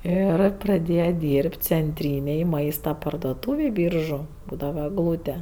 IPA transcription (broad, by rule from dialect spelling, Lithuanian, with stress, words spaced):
ˈɪr prɐˈdʲeːjɛ ˈdʲiːrʲpʲtʲ t͡sʲɛnʲˈtʲrʲiːnʲeːj ˈmɐɪstɐ pɐrdoːˈtuːʋʲeːj ˈbʲiːrʒʊ ˈbuːdɐʋɐ ɛɡˈlˠuːtʲɛ